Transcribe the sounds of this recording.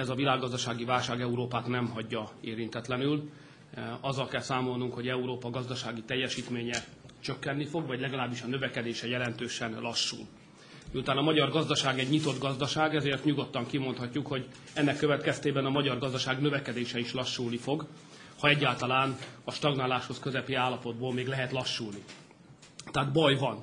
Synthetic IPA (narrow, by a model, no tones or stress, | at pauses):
ɛzɒvilaːɡːɒzd̪ɒʃaːɡivaːlʃaːɡɛuɾoːpaːt̪nɛmɦɒɟːɒeːɾint̪ɛt̪lɛnyl | ɒzːɒlkɛlsaːmo̞lnuŋkho̞ɟɛuɾoːpɒɡɒzd̪ɒʃaːɡit̪ɛjːɛʃiːt̪meːɲɛ | t͡ʃø̞kːɛnːifo̞ɡvɒɟlɛɡɒlaːbːiʃɒnøvɛkɛd̪eːʃɛjɛlɛn̪t̪øːʃɛnlɒʃːṵːl | miut̪aːnɒmɒɟɒrɡɒzd̪ɒʃaːɡɛɟɲit̪o̞d̪ɡɒzd̪ɒʃaːɡɛzeːrt̪ɲuɡo̞t̪ːɒŋkimo̞nt̪hɒcːukho̞ɟ | ɛnːɛkːøvɛt̪kɛst̪eːbɛnɒmɒɟɒrɡɒzd̪ɒʃaːɡnøvɛkɛd̪eːʃɛiʃlɒʃːuːlnifo̞ɡ | hɒɛɟːaːlt̪ɒlaːnɒʃt̪ɒɡnaːlaːʃho̞skøzɛpiaːlːɒpo̞d̪boːlmeːɡlɛɦɛt̪lɒʃːuːlni | t̪ɛːd̪bɒjvɒn